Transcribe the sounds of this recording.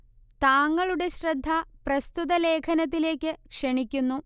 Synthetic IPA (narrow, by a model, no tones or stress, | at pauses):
t̪aːŋːɐɭuɽe̞ɕrɐd̪ʱːɐprɐst̪ut̪ɐle̞ːkʰɐnɐt̪̬ːile̞ːkʲːɨkʂɐɳikʲːunːu